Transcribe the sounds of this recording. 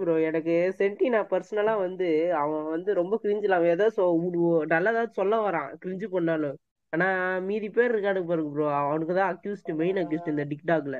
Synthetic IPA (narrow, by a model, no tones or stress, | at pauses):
pɯɾõːɛnɐkːɯsɛɳʈinãːpɐɾsɐnɐlaːʋɐnd̪ɯɐʋɐ̃ʋɐnd̪ɯɾɔmbɐkɪɾɪɲd͡ʒɪlãːɛːðaːðɯsɔʊɽnɐlːɐːðaːʋðɯsɔlːɐʋɐɾãːkɪɾɪɲd͡ʒɯpɐɳːaːlõ | aːnaːmiːðipeːɾɾɯkːaːɽɯkːɐp̬aːɾɯkːɐpɾõːɐʋɐnɯkːɯt̪ãːɐkjuːsʈumɛɪnɐkjuːsʈɯɪnd̪ɐɖɪk̚ʈaːk̬ɯlɐ